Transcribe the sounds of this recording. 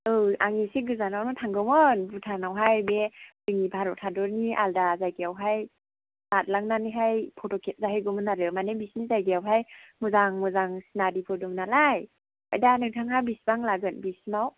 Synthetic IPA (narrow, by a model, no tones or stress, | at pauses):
ɯʔaŋisiɡɯzanawnɔtʰaŋɡɯmɯnbutʰanawɦajbedɯŋibʰʱaɾɔtʰadɔɾniʔaldazajɡiawɦaj | lat̚laŋnaniɦajpʰɔtɔkʰet̚zaɦajɡumɯnaɾɯmanebisnizajɡijawɦajmɯzaŋmɯzaŋsinadipʰɔdɔŋnalaj | ajdanɯŋtʰaŋhawbisbaŋlaɡɯnbisnaw